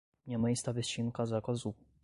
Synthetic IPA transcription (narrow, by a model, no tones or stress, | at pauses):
mɲɛmaist̪avʲɛst͡ɕinkazakɔzu